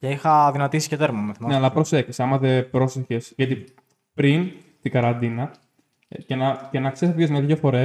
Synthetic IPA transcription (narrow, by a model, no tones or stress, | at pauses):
ceixɐðinɐt̪isi̥cet̪eɾmomeθimneɐlɐpɾosekçi̥sɐmɐðe̞pɾo̞seçe̞sʝɐt̪i | pɾin | t̪iɡɐɾɐnd̪inɐ | cenɐcenɐksespjozmɐðiɐfo̞ɾe̞